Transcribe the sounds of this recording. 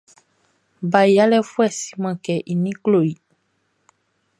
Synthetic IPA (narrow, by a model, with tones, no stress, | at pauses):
ba˨i˨a˦lɛ˦fu˦ɛ˦˨si̥˨˦mã˨kɛ˨ʔi˨nĩ˦klo˦˨i˨